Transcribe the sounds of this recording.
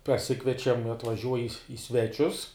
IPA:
pɐˈsʲɪkʋʲiɛt͡ʃʲɛm ɐtʋɐˈʒʲuɔj ɪ ˈɪ sʲʋʲɛˌt͡ʃʲʊs

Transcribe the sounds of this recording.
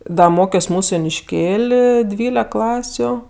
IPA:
ˈdɐ ˈmoːkʲoːs ˈmuːsʊ joːnʲɪʃʲˈkʲeːlʲ ˈdʲʋʲiːlʲɛk ˈklˠɑːsʲʊ

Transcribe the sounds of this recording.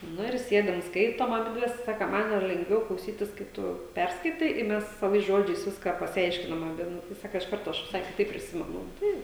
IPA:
ˈnʊ ɪr ˈsʲiɛdɐm ˈskɐɪtoːm ɐˈbʲɪdʲʋʲɛs ˈsɑːkɐ ˈmɐn jɛʊ lʲɛŋɡˈʋʲɛʊ klˠɐʊˈsʲiːtʲɪs kɐɪ ˈtʊ ˈpʲɛrskɐɪtɐɪ ɪ ˈmʲɛs sɐˈʋɐɪs ˈʒoːd͡ʒʲɛɪs ˈʋʲɪskɑː pɐsʲɪˈɐɪʃʲkʲɪnɐm ɐˈbʲɪ ˈnʊ tɐɪ ˈsɑːkɐ ɪʃ ˈkɐrtoː ˈɐʃ ʋʲɪˈsɐɪ kʲɪˈtɐɪp pʲrʲɪˈsʲɪmʲɛnʊ ˈtɐɪ

